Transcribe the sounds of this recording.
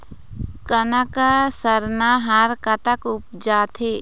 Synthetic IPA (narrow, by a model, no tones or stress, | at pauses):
kɐnakasəɾnaɦaɾkɐt̪əkʊp̚d͡ʒaːt̪ʰe